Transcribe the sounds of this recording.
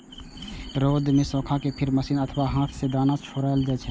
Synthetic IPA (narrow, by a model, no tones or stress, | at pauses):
ɾoːd̪mẽsɔ̃ːkʰakepʰɪɾməsiːnət̪ʰʋaɦãːt̪ʰsed̪aːnat͡ʃʰoːɾaːld͡ʒɛːt͡ʃʰɛ